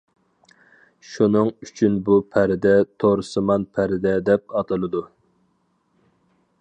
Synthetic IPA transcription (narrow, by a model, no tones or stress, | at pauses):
ʃunɨŋyt͡ʃʰynbupʰæɾɪd̪ɛt̪ʰoɾsɨmɑnpʰæɾɪd̪ɛd̪ɛp̚ɑt̪ʰɨlˠɨd̪u